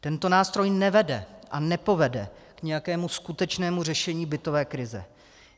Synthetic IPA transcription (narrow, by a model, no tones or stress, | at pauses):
t̪ɛnt̪o̞naːst̪ɾo̞jnɛvɛdɛʔanɛpo̞vɛdɛ̰kɲɛjakɛːmuskut̪ɛt͡ʃnɛːmur̝ɛʃɛɲiːbɪt̪o̞vɛːkɾɪzɛ̰